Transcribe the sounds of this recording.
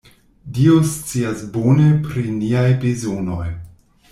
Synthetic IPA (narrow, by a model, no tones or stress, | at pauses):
dio̞st͡siasbonepɾiniajvizono̞̰j